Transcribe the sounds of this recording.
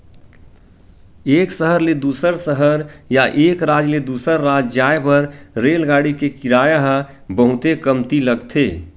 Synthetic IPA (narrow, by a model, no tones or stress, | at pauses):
eːksəɦəɾled̪uːsəɾsəɦəɾjaʔeːkɾaːd͡ʒled̪uːsəɾːaːd͡ʒd͡ʒaːepəɾɾeːlɡaːɽikekɪɾaːjaɦ | bəɦʊt̪ekəmt̪iləɡt̪ʰeː